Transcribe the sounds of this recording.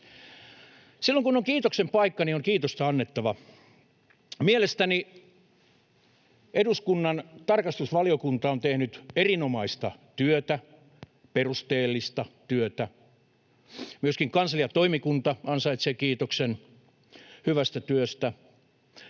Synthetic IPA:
silːoŋkunoŋkiːt̪oksempɑikːɑnioŋkiːt̪ost̪ɑɑnːet̪ːɑʋɑ | mielest̪æni | eduskunːɑnt̪ɑrkɑst̪usʋɑliokunt̪ɑont̪ehnyt̪erinomɑist̪ɑt̪yøt̪æ | perust̪eːlːist̪ɑt̪yøt̪æ | myøskiŋkɑnsɑlijɑt̪oimikunt̪ɑɑnsɑit̪seːkiːt̪oksen | hyʋæst̪æt̪yøst̪æ

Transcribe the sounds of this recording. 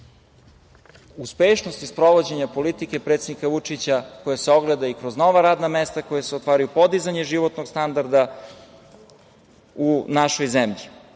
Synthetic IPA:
uspeʃnost̪ispɾo̞ʋod͡ʑeɲapo̞lit̪ike̞pɾe̞t̪sed̪nikaʋut͡ʂit͡ɕako̞jaseo̞ɡled̪aikɾo̞zno̞ʋaɾaːd̪namest̪akojaseot̪ʋaːɾajupo̞d̪izaɲeʒiʋo̞t̪noɡst̪and̪aɾd̪a | unaʃojzemʎi

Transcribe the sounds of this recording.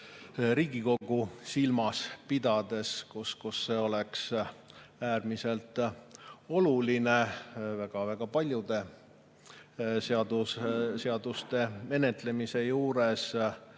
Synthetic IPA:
ɾiːɡ̥iko̞ɡ̥usilmɑspid̪̥ɑd̪̥e̞skuskusːe̞o̞leks | æːrmise̞lt̪ | o̞luline̞væɡ̥ɑvæɡ̥ɑpɑlʲjud̪̥e̞ | seɑd̪̥usseɑd̪̥ust̪e̞me̞ne̞t̪le̞mise̞juːɾe̞s

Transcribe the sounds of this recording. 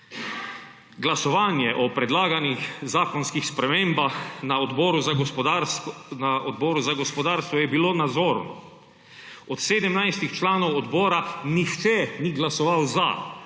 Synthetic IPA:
ɡlasɔʋaːnjɛʔɔpɾɛd̪laːɡanixzaːkɔnskixspɾɛmeːmbaxnaɔd̪bɔːɾuz | naɔd̪bɔːɾuzaɡɔspɔd̪aːɾst̪ʋɔjɛbiloːnad̪zɔːɾnɔ̰ | ɔt̪seːd̪ɛmnajst̪ixt͡ʃlaːnɔwɔd̪bɔːɾanixt͡ʃɛniɡlasɔʋawza̰

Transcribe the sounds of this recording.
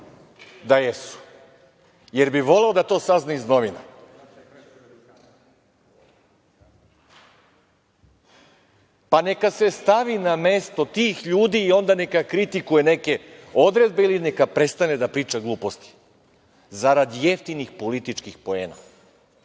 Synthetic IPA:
d̪ajesu̥ | je̞ɾbiʋo̞le̞od̪at̪o̞ːsaznaizno̞ʋina | pane̞kase̞st̪aʋiname̞st̪o̞t̪iːxʎuːd̪iːo̞nd̪ane̞kakɾit̪ikuje̞ne̞ke̞o̞d̪ɾe̞d̪̚be̞iline̞kapɾe̞t̪st̪ane̞d̪apɾiːt͡ʃaɡlˠuːpo̞st̪i̥ | zaɾad̪ije̞ft̪inixpo̞lit̪it͡ʃkixpo̞e̞ːna̰

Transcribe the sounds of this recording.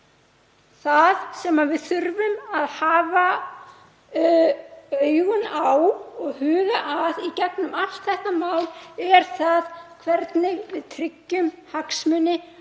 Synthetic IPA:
θaðsɛmavɪðθʏɾvʏmaðhaːva | œːjɣʏnawɔɣhʏːɣaʔaðicɛknʏmaft̪θɛhk̪amaːwlɛɾ̥θaðkʰvɛɾt̪nɪvɪðt̪ʰɾɪcːʏm | haksmʏnɪ

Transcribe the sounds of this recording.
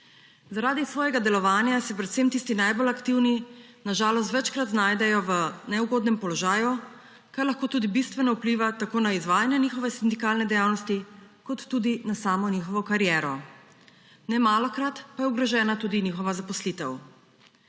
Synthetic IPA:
zaɾaːd̪isʋɔːjɛɡad̪ɛlɔʋaːnjasɛpɾɛt̪semt̪iːst̪inajbolakt̪iwninaʒaːlɔst̪ʋɛt͡ʃkɾat̪naːjd̪ɛjɔʋənɛuɡoːd̪nɛmpɔlɔʒaːju | kaɾlaxkoːt̪uːd̪ibist̪ʋɛnɔupliːʋat̪akoːnaizʋaːjanjɛniːxɔʋɛsind̪ikaːlnɛd̪ɛjawnɔst̪i | kɔt̪ːuːd̪inasaːmɔniːxɔʋɔkaɾjɛːɾɔ | nɛmaːlɔkɾat̪pajɛuɡɾɔʒɛːnat̪ud̪inixɔʋazapɔslit̪ɛw

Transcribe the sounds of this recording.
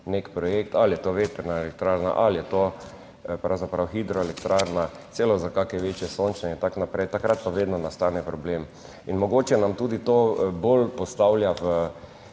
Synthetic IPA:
nekpɾɔjekt̪aljɛt̪oːʋeːt̪ɛɾnaelɛk̚t̪ɾaɾna̰ʔaljɛt̪o | pɾawzapɾawxid̪ɾɔɛlɛkt̪ɾaɾna | t͡s̪eːlɔzakakɛʋeːt͡ʃjɛsont͡ʃnɛɛint̪aknapɾɛjt̪akɾat̪̚paʋeːd̪nɔnast̪anɛpɾɔbleːm | inmɔɡoːt͡ʃjɛnamt̪uːd̪it̪oːbolpɔst̪awljaʋə

